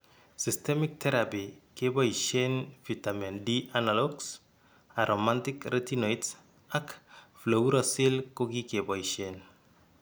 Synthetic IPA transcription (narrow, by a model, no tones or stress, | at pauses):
sistemik̚t̪ʰeɾapikeboiʃenfitamendiʔanaloɡs | aɾomãntikɾʔetinojts | akflowuɾosilkokikeboiʃen